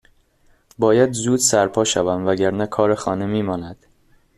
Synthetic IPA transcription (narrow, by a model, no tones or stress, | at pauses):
bɒːjæd̪zuːd̪sæɾpʰɒːʃævæmvæɟæɾnækʰɒːɾexɒːnemiːmɒːnæd̪̥